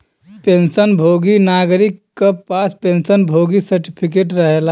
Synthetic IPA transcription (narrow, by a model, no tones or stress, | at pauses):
pẽnsənbʱoɡinaɡɾikːepaspẽnsənbʱoɡisəɾʈipʰik̬eʈɾəɦela